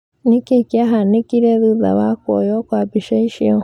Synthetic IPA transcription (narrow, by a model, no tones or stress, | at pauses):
nekekiaɦanekiɾeðuða̰βakɔ̰jɔkwabiʃeiʃiɔ